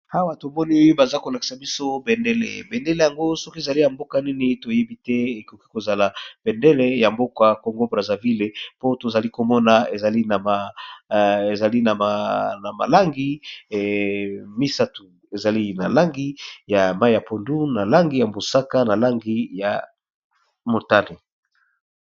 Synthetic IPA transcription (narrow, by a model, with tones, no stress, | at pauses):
ha˦wa˨to˨mɔ˦ni˦o˦jo˦ba˨za˦ko˨la˨ki̥˨sa˨bi˦so˦bɛ˨ndɛ˦lɛ̰˨bɛ˨nde˦le˦˨ja˨ŋɡo˦so˦ki˦e˨za˨li˦ja˨mbo˦ka˦ni˦ni˦to˨je˦bi˦tɛ˦e˨ko˨ki̥˦ko˨za˨la˨b̥ɛ˨nde˦le˦ja˨mbo˦kwa˦ko˨ŋɡo˦bʁa˨za˨vi˦le˨po˦to˨za˨li˦ko˨mɔ˦na˨e˨za˨li˦na˨ma˨ | e˨za˨li˦na˨a˨na˨ma̰˨la˦ŋɡi˦ | mi˦sa˦tu˨ | e˨za˨li˦na˨la˦ŋɡi˦ja˨ma˦i˦ja˨po˨ndu˦na˨la˦ŋɡi˦ja˨mbo˨sa˦ka˦na˨la˦ŋɡi˦ja˨ | mo˨ta˦˨le˨